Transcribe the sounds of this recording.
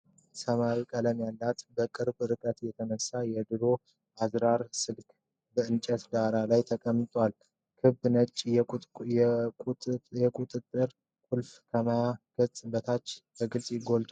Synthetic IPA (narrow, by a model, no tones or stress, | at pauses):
səmawikʼələmjalːat̪bəkʼɨɾbɾɨkʼət̪jɛt̪ʰənəsːajɛd̪ɨɾo̞ | ʔazɾaɾsɨlkʰʼ | bəɨnt͡ʃʼət̪d̪aɾalajt̪ʰəkʼəmːɨt̪ʼwal | kʰɨbnət͡ʃʼː | jɛkʼut̪ʼɨt̪ʼːɨɾ | kʼulfkʰəmaɡ̥ət͡sʼːbət̪ʰat͡ʃːbʰəɡɨlsʼjɪɡo̞lt̪ʼʰ